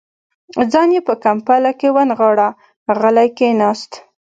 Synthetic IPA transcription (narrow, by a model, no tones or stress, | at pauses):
d͡zɑnjepəkampalakewanɣɑɽa | ɣəlajkenɑst̪